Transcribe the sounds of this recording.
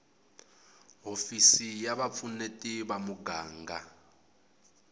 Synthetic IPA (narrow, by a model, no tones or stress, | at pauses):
ɦofisijaβap̪funetʼiβamuɡaːŋɡa